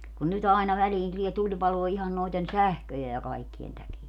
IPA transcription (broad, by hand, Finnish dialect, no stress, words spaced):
kun nyt ɑinɑ ʋæliːn tulie tulʲpɑloː ihɑn noiten sæhkøje jɑ kɑikːien tækiæ